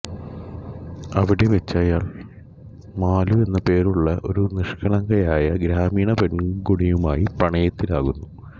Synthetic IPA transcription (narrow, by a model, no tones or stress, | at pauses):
ɐʋiɽe̞ʋet͡ɕːaːjaːɭ | maːlue̞nːɐpe̞ːɾuɭːɐʔo̞̰ɾuniʂkɐɳɐŋɡɐjaːjɐɡɾaːmiːɳɐpe̞ɳɡoɽijumaːjiprɐɳɐjɐt̪ːilaːɣunːu